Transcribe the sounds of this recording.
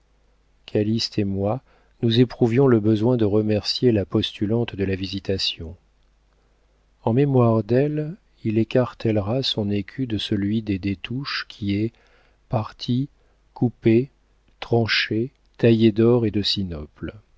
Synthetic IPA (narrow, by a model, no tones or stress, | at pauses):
kʰalist̪emwa | nuzepχuvjɔ̃ləbəzwɛ̃d̪əʁəmɛʁsjelapɔst̪ylɑ̃t̪d̪əlavizit̪asjɔ̃ | ɑ̃memwaʁd̪ɛl | ilekaʁt̪ɛlʁasɔ̃nekʲʰyd̪əsəlɥid̪ed̪et̪uʃkʲʰiɛ | paʁt̪ʰi | kʰupe | t̪χɑ̃ʃe | t̪ajed̪ɔʁed̪əsinɔpl